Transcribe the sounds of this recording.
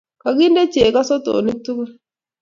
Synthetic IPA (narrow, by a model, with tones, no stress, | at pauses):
ka˨ɡi˦nde˦t͡ʃe˨ka˦sɔ˦to̰˨ni˦tːu˦ku˦